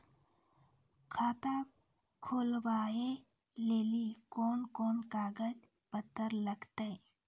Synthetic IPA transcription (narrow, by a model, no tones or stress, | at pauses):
kʰaːt̪a | kʰoːlʋaːje | leːlikoːnkoːnkaːɡəd͡ʒ | pət̪ːəɾləɡt̪e